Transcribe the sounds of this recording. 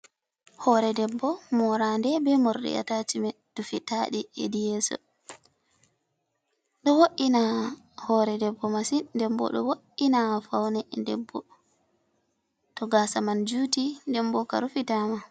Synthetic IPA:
hɔɾɛdɛbːɔmɔɾandɛbɛmoɾɗḭa̰tatimɛd̥ufitaɗiḛdijɛsɔ̰ | ɗɔwoʔːina | hɔɾɛdɛbːɔmasindɛmbɔ̰ɗɔ̰woʔːinafawnɛdɛ̰bːɔ | tɔɡasamand͡ʒuːtindɛmbɔka̰ɾufitama

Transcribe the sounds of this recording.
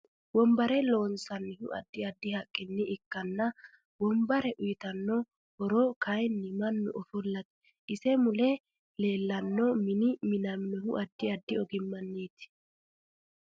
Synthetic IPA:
bɔmbɐɾɛlo̞ːnsɐnːɪhʊ̰ʔɐ̰d̪ːɪɐd̪ːɪhɐkʼːɪnːɪɪkːɐnːɐ | bɔmbɐɾɛʔʊjɪt̪ɐnːɔ | hɔɾoːkɐjnːɪmɐnːʊ̰ʔɔfʊlːɐt̪ | ʔɪsɛmʊlɛ | le̞ːlːɐnːɔmɪnɪmɪnɐmɪnʊhʊʔɐd̪ːɪɐd̪ːɪɔɡɪmːɐnːiːt̪ɪ̥

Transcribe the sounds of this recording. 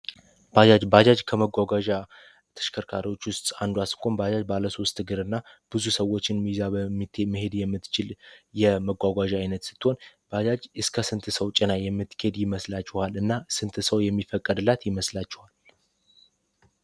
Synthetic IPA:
b̥ad͡ʒad͡ʒbad͡ʒad͡ʒkʰəməɡʷaɡʷaʒa | t̪ʰə̥ʃkʰəɾkʰaɾiwo̞t͡ʃːwʊst̪ʼand̪uasɨ̥kʰʼombad͡ʒad͡ʒbaləso̞st̪ʰːɨɡɨɾɨnːab̥ɨzusəwːo̞t͡ʃːɪnmizabəmːɨt̪ːməhe̞d̪jɛmːɨt̪ːt͡ʃɪljɛməɡʷaɡʷaʒajnət̪sɨ̥t̪ːɨho̞nb̥ad͡ʒad͡ʒɨskʰəsɨnt̪ʰɨsəwt͡ʃʼɪnajɛmːɨt̪ːkʰed̪jɪməslat͡ʃːɛhalɨnːasɨnt̪ʰɨsəwjɛmːifəkʼːəd̪ɨlːat̪jɪməslat͡ʃːɛhal

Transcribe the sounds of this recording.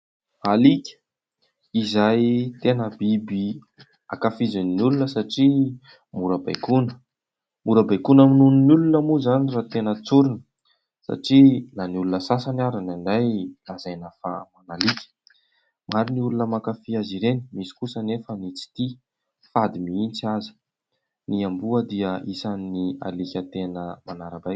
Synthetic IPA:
alikʲə̥ | izajt̪enəbibi | a̰kafizaninulunəsaʈ͡ʂi | muɾəba̰jkunə̥ | muɾəbajkunaminuninulunəmuzanirat̪enət͡suɾinə̥ | sa̰ʈ͡ʂilaniulunəsasanaɾanaɳɖ͡ʐajlazajnafamanalikʲə̥ | maɾiniulunəmakafiaziɾeni̥misi̥kusənefənit͡si̥t̪i | fad̪imiint͡siazi̥ | niambuəd̪iəisannia̰likʲət̪enəmanaɾəbajkʲ

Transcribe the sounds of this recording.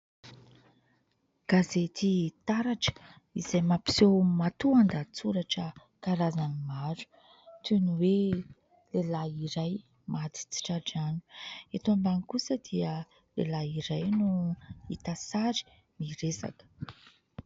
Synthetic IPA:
ɡ̥azet̪it̪aɾaʈ͡ʂə̥ | izajmapi̥sewmat̪uand̪at͡suɾaʈ͡ʂə | kaɾazanimaɾu̥ | t̪unuwe | lelaiɾaj | mad̪i̥t͡si̥ʈ͡ʂaʈ͡ʂanu̥et̪ambanikusəd̪iə | lḛlaiɾajnuit̪asaɾi̥ | miɾesa̰kə̥

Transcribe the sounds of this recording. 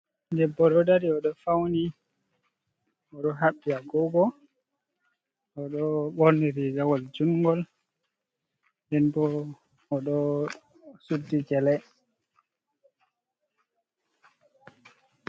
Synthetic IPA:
ndɛbːɔɗɔdaɾiɔɗɔfawni | ɔɗɔɦaɓːiaɡɔɡɔ | ɔɗɔɓɔɾniɾiɡawɔld͡ʒuŋɡɔl | ndɛnbɔ | ɔɗɔ | sudːid͡ʒɛlɛ

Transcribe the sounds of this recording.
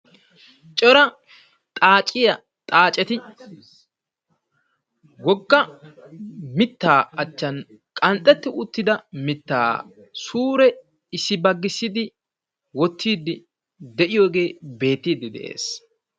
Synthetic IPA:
t͡ʃʼɔɾɐ | t̪ʼaːt͡ʃʼɪjɐ | t̪ʼaːt͡ʃʼɛt̪ɪ | wɔɡːɐ | mɪt̪ːaːɐt͡ʃːɐn | kʼɐnt̪ʼːɛt̪ːɪʊt̪ːɪd̪ɐmɪt̪ːa̰ː | suːɾɛ | ɪsːɪbɐɡːɪsːɪd̪ɪ | wɔt̪ːiːd̪ːɪ | d̪ɛʔɪjo̞ːɡe̞ːbe̞ːt̪ːiːd̪ɪd̪ɛ̰ʔḛːs

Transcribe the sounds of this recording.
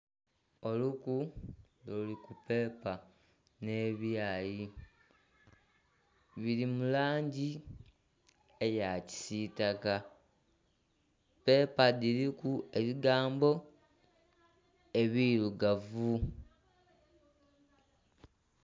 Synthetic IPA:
o̞luku | lulikupe̞ːpa | ne̞βjaːji | βilimulaːɲɟi | ejaci̥sitaka | pe̞ːpadilikue̞βiɡaːmbo̞ | e̞βiluɡavu

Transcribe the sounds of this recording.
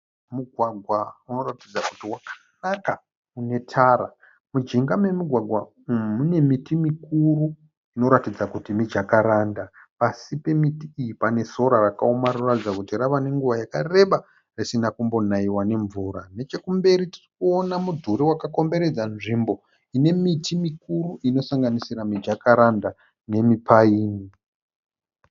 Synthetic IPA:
muɡʱwaɡʱwauno̞ratid͡zaku̥tiwakʰḁ | naka | une̞tʰaɾa̰ | mud͡ʒiŋɡame̞muɡʱwaɡʱwa | mune̞mitimikuru | ino̞ɾatid͡zakutimid͡ʒakaɾaːnda | pasipe̞mitiːjipane̞so̞ɾarakaomaɾoratid͡zakutiraʋane̞ŋɡuʋajakare̞ɓa | risinakumbo̞naiwane̞ɱvuɾane̞t͡ʃe̞kumbe̞ɾiti̥rikuo̞namudʱuɾiwakako̞mbe̞ɾe̞d͡zanʐimbo̞ | ine̞mitʰimikuruʔino̞saŋɡanisiramid͡ʒakaɾanda | ne̞mipaiːni

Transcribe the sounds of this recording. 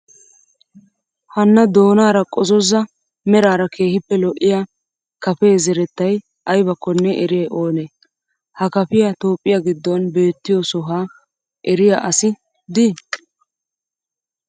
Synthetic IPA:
hɐnːɐd̪o̞ːnaːɾɐkʼɔzɔzɐ | mɛɾaːɾɐkʰe̞ːhɪpːɛlɔʔːɪja | kɐpe̞ːzɛɾɛt̪ːɐj | ʔɐjbɐkːɔnːɛʔɛɾeːʔo̞ːneː | hɐkɐpɪjat̪o̞ːpʼːɪjaɡɪd̪ːɔnbe̞ːt̪ːɪjɔsɔɦaː | ʔɛɾɪjaʔɐsɪ | d̪ɪ

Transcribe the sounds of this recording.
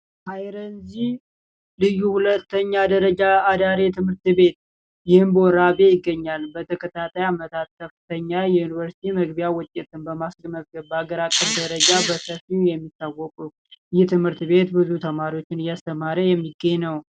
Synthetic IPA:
hajɾənzi | lɨjuhulət̪ːəɲːad̪əɾəd͡ʒaːd̪aɾet̪ʰɨmhɨɾt̪be̞t̪̚ | jɪhɨmbəɔɾabe̞jɪɡːəɲːalbət̪ʰəkʰət̪ʰat̪ʰajamət̪ʰat̪̚kʰəfɨt̪ʰəɲːajɛjunivəɾsi̥t̪ʰiməɡbijawɔt͡ʃ̪ʼːet̪ɨnbəmasɡməzɡəβbəaɡəɾakʼːəfd̪əɾəd͡ʒabəsəfijɛmːit̪ːawɔkʼu | jɛt̪ʰɨmhɨɾt̪be̞t̪bɨzut̪ʰəmaɾiwo̞t͡ʃːɪnɨjast̪ʰəmaɾəjɛmːiɡːəɲːnəw

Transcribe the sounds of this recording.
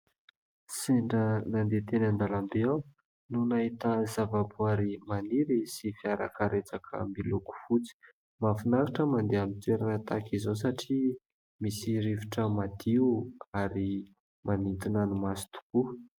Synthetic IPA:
seɳɖ͡ʐənand̪et̪enand̪alambeaw | nunaɦit̪azavabuaɾimaniɾisifiaɾakəɾet͡sakʰə̰mbiluku̥fut͡si̥ | mafinaɾaʈ͡ʂəmand̪eamit͡s̪eɾanət̪akizos̬aʈ͡ʂi | misiɾiviʈ͡ʂəmad̪iuaɾi | manint̪inanumasi̥t̪u̥ku

